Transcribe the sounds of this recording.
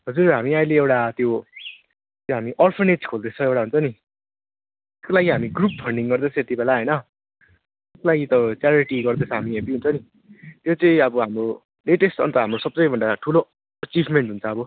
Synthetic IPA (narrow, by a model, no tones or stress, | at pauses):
ɦʌd͡zurɦamiajleewʈat̪jo | t̪joɦamiʔʌlpʰʌrned͡zkʰold̪et͡sʰʌewʈaɦunt͡sʰʌni | ekolajiɦamiɡrup̚pʰʌɳɖiŋɡʌrd̪et͡sʰʌet̪ibelaɦʌjnʌ | eslajit̪ʌt͡sjaɾiʈiɡʌrd̪et͡sʰʌɦamiepiɦunt͡sʰʌni | t̪jot͡sʌĩʌbʌɦamro | leʈesʈʌ̰nt̪ʌɦamrosʌb̚t͡sʌjbʱʌɳɖaʈʰulo | ʌt͡sibʱmeɳʈɦunt͡sʰʌːbʌ